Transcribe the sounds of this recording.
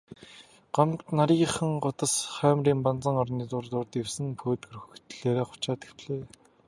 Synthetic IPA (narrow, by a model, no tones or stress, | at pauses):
ɢ̥œmt̪naɾiːχə̆ŋɢʊt̪ə̆sχœːmriːmpant͡sə̆ŋɔrniːt͡sʊrt̪ʊːrt̪ewsɘ̆ŋpʰoːt̪ɡɵɾɵxt̪ɮeːɾeːχʊ̥t͡ɕaːt̪ĭ̥xpɮeː